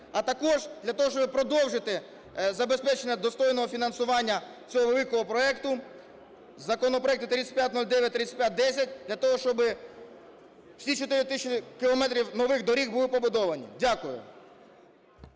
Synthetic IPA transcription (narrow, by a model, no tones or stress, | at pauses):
ɐt̪ɐkɔʒd̪lʲɐt̪ɔɦɔʃt͡ʃɔbɪpɾɔd̪ɔwʒɪt̪ɪ | zɐbespɛt͡ʃenʲːɐd̪ɔst̪ɔjnɔɦɔfʲinɐnsʊʋɑnʲːɐ | t͡sʲɔɦɔʋelˠɪkɔɦɔpɾɔɛkt̪ʊ | zɐkɔnɔpɾɔɛkt̪ɪt̪ɾit̪sʲɐ̥t̪̚ʲpʲjat̚ʲnɔlʲd̪ɛʋʲjɐt̪̚ʲɾɪisʲɐ̥tʲpʲjat̚ʲd̪ɛsʲɐt̚ʲd̪lʲɐt̪ɔɦɔʃt͡ʃɔbɪ | wsʲit͡ʃɔt̪ɪɾɪt̪ɪʃɪkɪlˠɔmɛt̪ɾʲiwnɔʋɪɣd̪ɔɾʲiɣbulˠɪpɔbʊd̪ɔʋɐnʲḭdʲakʊjʊ̰